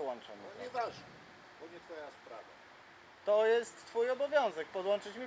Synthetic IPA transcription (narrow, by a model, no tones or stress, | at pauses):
wɔnt͡ʂɛ̰ɲɛɔɲɛvaʐnɛ | bɔɲɛt̪fɔjaspɾa̰va̰ | t̪ɔjɛst̪ːfujɔbɔvʲjɔ̃w̃zɛk̚pɔd̪wɔnt͡ʂɘt͡ɕmʲi